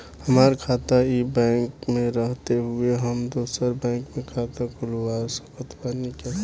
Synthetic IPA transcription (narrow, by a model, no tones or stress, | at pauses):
həmaːɾkʰaːt̪aibɛ̃ːŋkmẽɾəɦt̪eɦʊeɦəmd̪oːsəɾbɛ̃ːŋkmẽkʰaːt̪akʊlwaːɾsəkət̪banike